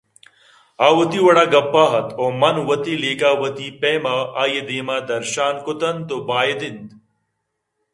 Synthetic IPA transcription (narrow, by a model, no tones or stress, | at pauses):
aːwɐt̪iwɐɽaːɡɐpːaːɦɐt̪ʰoːmɐnwɐt̪ileːkaːwɐt̪ipeːmaaːjed̪eːmaːd̪ɐɾʃaːnkʊt̪ɐnt̪oːbaːjed̪ind̪